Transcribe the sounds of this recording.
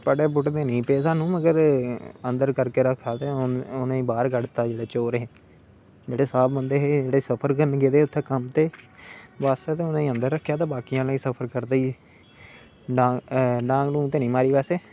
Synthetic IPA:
pəɽeːbʊʈd̪eːnĩːpeːsãːnũːməɡəɾənd̪əɾkəɾkeːɾəkʰːaːt̪ẽːʊnẽːbaːɾɡəɽt̪aːd͡ʒeːɽeːt͡ʃoːɾɦẽː | d͡ʒeːɽeːsaːbbənd̪eːɦeːd͡ʒeːɽeːsəpʰəɾkənɡeːd̪eːʊt̪ʰːeːkəmt̪eː | ʋaːst̪aːt̪eːʊnẽːənd̪əɾːəkʰːjaːt̪̬ãːbaːkijãːlĩːsəpʰəɾkəɾd̪eːiː | ɖaːɖãːŋkɖũːt̪eːnĩːmaːɾiːpɛːseː

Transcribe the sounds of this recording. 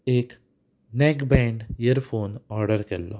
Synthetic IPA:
eːk | nɛːkbɛ̃ːɳɖjəɾfʰoːnɔːɾɖəɾkelːo̰ː

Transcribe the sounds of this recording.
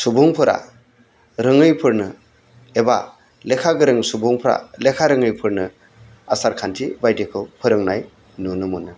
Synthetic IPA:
subuŋpʰɯɾa̰ | ɾɯŋɯjpʰɯɾnɯ | eba | lekʰaɡɯɾɯŋsubuŋpʰɾa̰lekʰaɾɯŋɯjpʰɯɾnɯ | asaɾkʰantʰibajdekʰɯwpʰɯɾɯŋnaj | nunɯmunɯ

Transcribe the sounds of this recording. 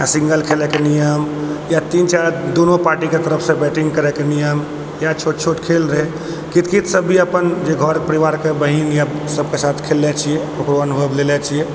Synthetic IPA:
jasĩŋɡəlkʰelɛkenijəmjat̪int͡ʃaɾd̪onopaɾʈiket̪əɾəpʰsẽbɛʈĩŋɡkəɾɛkenijəm | jat͡ʃʰoʈt͡ʃʰoʈkʰelɾəɦe | kit̪kit̪ʰsəbʱːiəpənd͡ʒeɡʱəɾpəɾiʋaɾkebəɦinjasəb̚kesat̪ʰkʰelːɛt͡ʃʰieokɾoənubʱəblelɛt͡ʃʰie

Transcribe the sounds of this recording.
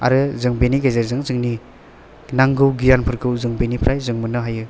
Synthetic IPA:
a̰ɾɯzɯŋbeniɡajzaɾzɯŋzɯŋni | naŋɡɯwɡijanpʰɯɾɡɯwzɯŋbenipʰɾʔajzɯŋmɯnɯɦajɯ

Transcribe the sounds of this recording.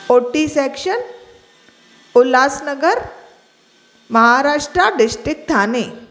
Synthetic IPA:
oʈisɛkʂən | ulaːsnəɡəɾ | məɦaɾaːʂʈɾaɖɪsʈɾɪk̚t̪aːne

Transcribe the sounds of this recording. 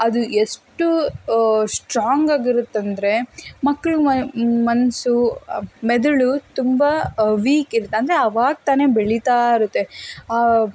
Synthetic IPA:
ɐd̪ueʂʈu | sʈɾaːŋɡaːɡiɾut̪ːɐnd̪ɾe̞mɐkːɐɭumɐnsumɛd̪ɐɭut̪umbɐʋiːkiɾut̪ːeɐnd̪ɐɾeɐʋaːɡ̚t̪aːne̞beɭit̪aːiɾut̪ːe̞aː

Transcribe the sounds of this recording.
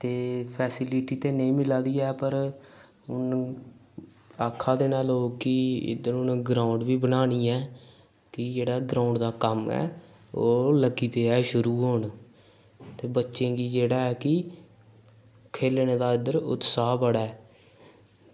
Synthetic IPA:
t̪eːpʰɛːsɪliʈiːt̪eːnəĩːmɪlaːd̪iːɛːpəɾ | ʊn | aːkʰːaːd̪eːnaːloːkɪɪ̰d̪əɾʊnːɡɾaːʊɳɖʋiːbənaːniːɛː | kɪd͡ʒeːɽaːɡɾaːʊɳɖd̪aːkəmɛ̰ː | oːləɡiːpeːaːʃʊɾuːɦoːɳ | t̪eːbətːʃẽːɡiːd͡ʒeːɽaːɛːkɪ | kʰeːlñẽːd̪aːɪd̪əɾʊ̰t̪saːbəɽɛː

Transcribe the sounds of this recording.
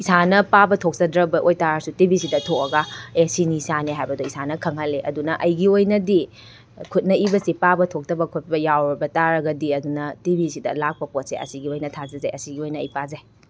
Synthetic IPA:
isanɐpabɐtʰok̚zɐdɾɐbɐʔojtaɾɐsutibisidɐtʰokɐɡɐesinisaneɦajbɐdoisanɐkʰɐŋɦɐlːeʔɐdunɐʔɐjɡiojnɐdi | kʰut̚nɐibɐsipabɐtʰok̚tɐbɐkʰut̚bɐjawɾɐbɐtaɾɐɡɐdiɐdunɐtibisidɐ̰lak̚pɐpot̚sḛɐ̰siɡiojnɐtʰazɐzajɐsiɡiojnɐɐjpazej

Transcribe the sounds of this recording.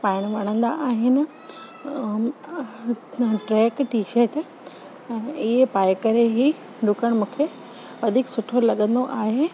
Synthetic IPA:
paːɪɽ̃ʋɐɽ̃ə̃nd̪aʔaːɦɪnɪ̆ | ʈɾɛːkʈiːʃəɾʈː | ɪɦepaːjkɐɾeɦi | ɖʊkəɽ̃mũːkʰe | ʋɐd̪ʱiksʊʈʰolɐɠə̃nd̪oʔaːɦeː

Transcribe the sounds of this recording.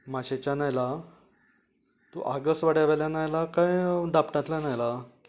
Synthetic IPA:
maɕet͡ɕanajla | t̪uʔaɡəsʋaɽaʋaljanajlakãjd̪apɳãt̪lanajla

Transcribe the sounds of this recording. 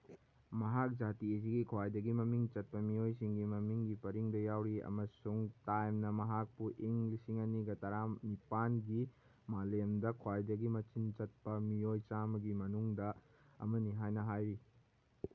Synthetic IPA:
mɐɦak̚d͡ʒatiɐs̬iɡikʰwajdɐɡimɐmiŋt͡ʃɐt̚pɐmijojsiŋɡimɐmiŋɡipɐɾiŋdɐjawɾiɐ̰mɐsuŋtajmnɐmɐɦak̚puʔiŋlisiŋɐniɡɐtɐɾanipanɡi | malemdɐkʰwajdɐɡimɐt͡ʃint͡ʃɐt̚pɐmijojt͡ʃamɐɡimɐnuŋdɐ | ɐ̰mɐniɦajnɐɦajɾi

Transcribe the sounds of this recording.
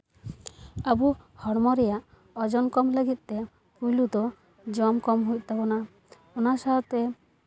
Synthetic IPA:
əbuhɔɽmɔɾɛjaʔ | ɔd͡ʒɔnkɔmləɡit̪̚t̪ɛ | pujlud̪ɔ | d͡ʒɔmkɔmɦujc̪̚ˀt̪abɔna | ɔnasaɔt̪ɛ

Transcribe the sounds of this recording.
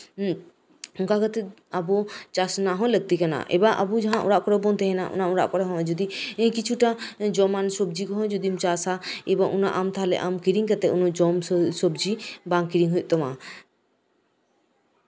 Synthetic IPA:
uŋkakət̪ɛ | abuɔt͡ʃasnaɦɔ̃ləɡ̚t̪ikana̰ʔɛ̰baʔa̰bud͡ʒaɦãʔṵɾaʔkɔɾɛbɔnt̪ɛɦɛ̃naʔṵnaũɽa̰ʔkɔɾɛɦɔ̃d͡ʒod̪ĩkit͡ʃʰuʈad͡ʒɔmansobd͡ʒikɔɦɔ̃d͡ʒod̪imt͡ʃasaebɔŋʔunaʔamt̪aɦalɛ̰ʔamkiɾiŋkat̪ɛunud͡ʒɔmsobd͡ʒibaŋkiɾiŋɦujʔ̚t̪ɔma

